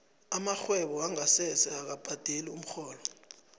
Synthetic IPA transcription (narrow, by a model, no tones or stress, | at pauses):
amaxwɛɓɔaŋasɛsɛak̬ab̥ʱad̥ʱelium̩xɔːlɔ